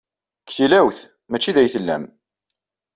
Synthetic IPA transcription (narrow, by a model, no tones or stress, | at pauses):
kθilæwθ | mæt͡ʃːiðæjθəlːæ̰m